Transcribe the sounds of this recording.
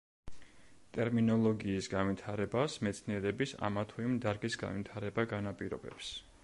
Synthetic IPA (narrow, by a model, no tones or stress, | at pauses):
t̪ʼɛɾminɔlˠɔɡiːsɡanvwit̪ʰaɾɛbasmɛt̪sʰniɛɾɛbisa̰mat̪ʰuimd̪aɾɡisɡa̰nvit̪ʰaɾɛbaɡanapʼiɾɔ̰bɛ̰ps